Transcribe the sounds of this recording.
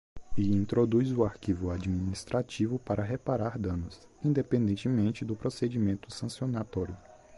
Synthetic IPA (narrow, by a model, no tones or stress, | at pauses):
ɪĩnt̪ɾod̪ujzʊaɾkivʊad͡ʒiminist̪ɾat͡ʃivʊpaɾɐɦepaɾaɾd̪ɐ̃nʊs | ĩnd̪epẽnd̪ẽnt͡ʃɪmẽnt͡ʃɪd̪ʊpɾosed͡ʒimẽnt̪ʊsɐ̃siõnat̪ɔɾjʊ